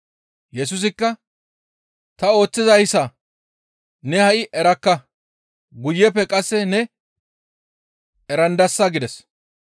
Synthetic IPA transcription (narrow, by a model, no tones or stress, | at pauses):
jɛs̬ʊs̬ɪkːɐ | t̪ɐo̞ːt͡sːɪzɐjɪsɐ | nɛhɐʔɪʔɛɾɐkːɐ | ɡʊjːɛpːɛkʼɐsːɛnɛ | ɛɾɐnd̪ɐsːaɡɪd̪ɛs